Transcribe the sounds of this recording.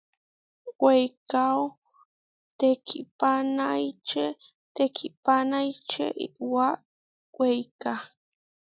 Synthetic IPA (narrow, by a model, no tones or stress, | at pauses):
wejkaw | t̪ekʰipanajt͡ʃe | t̪ekʰɪpanajt͡ʃḛʔḭwa | wejka